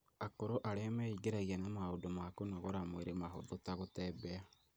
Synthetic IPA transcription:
akoɾoʔaɾeamɛiɡeɾaɣiɛnamaodomakonaɣoɾamweɾemaɦo̰ðotaɣotɛːbɛa

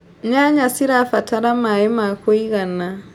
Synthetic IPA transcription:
ɲaɲasiɾafataɾamaɛmakoiɣana

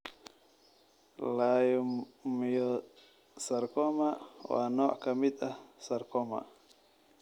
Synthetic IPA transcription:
lajumjɔ | sarkɔmaʔwa̰nɔʔkamit̪asarkɔma̰ʔ

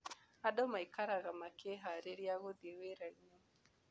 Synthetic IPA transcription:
aɗɔmaikaɾaɣamakʰɛɦaɾeɾiaɣud̪iweɾaɲɔ

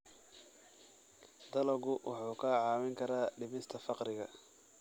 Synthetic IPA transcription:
d̪̥ɐlɐɣʊwʔɑħuːkʰaːʕɑːwɪŋkʰɐɾaːɖɪmɪst̪ʰɐfɑqɾɪɣɐ̰

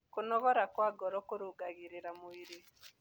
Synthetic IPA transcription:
kunɔβɔɾakwaɡɔɾɔkuɾuɡaɣiɾiɾamuwiɾi

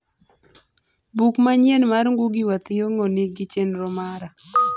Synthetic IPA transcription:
bukmaɲjenmaɾŋɡuɡɪwat̪ɪjoŋonɪɡɪt͡ʃenɾɔmaɾa

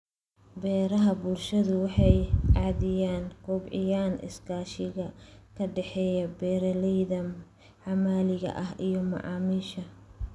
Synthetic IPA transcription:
bɛːɾɐɦɐbʊlʃɐðʊwɑħɑjʕɑːðɪjaːnkʰʊːbʕɪ̰jaːnʔɪ̰skʰaːʃɪɣɐkʰɐɖɛħɛːjɐbɛːɾɐlɛjðɐ | ʕɑmaːlɪɣɐ̰ʔɐɦʔijɔmɐ̰ʕɑ̰ːmiːʃɐ

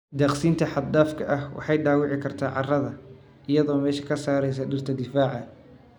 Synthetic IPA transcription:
d̪ɐːqsiːnt̪ʰɐħɑd̪aːfkʰɐʔɐhwɑ̰ħɑjɖaːwɪʕɪkʰɐrt̪ʰaːʕɑrɐðɐ | ʔɪjɐðɔːmɛːʃɐ̥kʰɐsaːɾɛjs̬ɐɖɪrt̪ʰɐd̪ɪfaːʕɐ

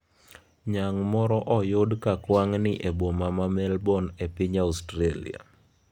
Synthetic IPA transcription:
ɲaŋmɔɾɔʔɔjʊdkakwaŋnɪʔebomamamɛlbɔnepɪɲaustɾalḭa̰

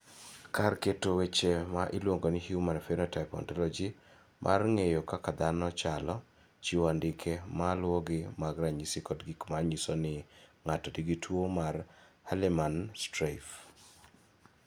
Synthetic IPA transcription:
karketowet͡ʃemaʔɪlwoŋɡonɪhjumanfɛnɔtaɪpɔ̰ntɔlɔd͡ʒi | mʔa̰rŋejokakad̪anɔt͡ʃalɔ | t͡ʃiwandɪkʰemalwɔɡɪmaɡɾaɲisikɔtɡikmaɲisɔnɪŋatɔdiɡitʰwomarhalimanstɾaf

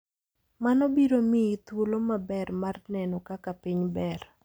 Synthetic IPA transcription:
manɔbiɾomiit̪wolomabɛrmarnɛnɔkakapiɲbɛr

